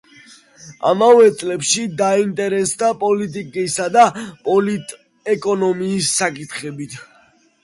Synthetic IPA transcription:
a̰mavɛt̪sʼlɛpʃid̪aint̪ʼɛɾɛsd̪apʼɔlit̪ʼikʼisad̪apʼɔlit̪ʼ | ɛkʼɔnɔmiːsːakʼit̪ʰχɛbit̪ʰ

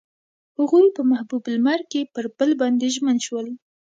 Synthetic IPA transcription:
huɣuɾpəmahbublmaɾkepəɾb̥əlbɑnd̪eʒmənʃwəl

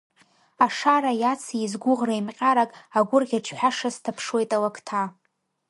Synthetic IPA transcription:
aʂaɾajat͡sʰizɡʷʊʁrajmqʲʼaɾakʼaɡʷʊrɡʲaʈ͡ʂʰħʷᶣaʂastʰapʰʂwe̞jtʼalakʰtʰa

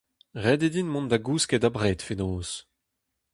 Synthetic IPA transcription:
ʁɛd̪ed̪inmɔ̃nd̪aɡuːskɛdabʁeːt̪fenoːs

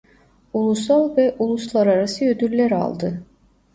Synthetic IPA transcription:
ulˠusalˠvɛʔulˠuslˠaɾaɾasɯød̪yllʲæɾa̰lˠd̪ɯ

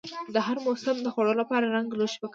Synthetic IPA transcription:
d̪əɦaɾmosɪmd̪əxwoɽəolapɑɾaɾaŋɡloʃpaka

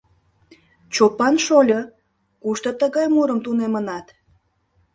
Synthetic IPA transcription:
t͡ɕopɑnʃolʲo | kuʃt̪ot̪əɣɑjmuɾəmt̪unemənɑt̪

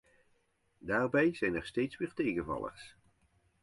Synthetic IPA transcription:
daːrbɛjz̥ɛjnɛɹstejtsʋɪːɹtejɣənvɑ̰lˠə̰χs

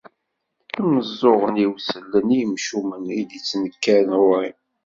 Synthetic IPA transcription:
əməzːoʁəniwsəlːənijəmʃumənid̪it͡sːnəkːæɾnɾi

